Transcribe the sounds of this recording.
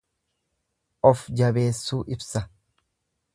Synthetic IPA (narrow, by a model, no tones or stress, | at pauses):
ʔɔfd͡ʒɐbe̞ːsːuːʔɪbsɐ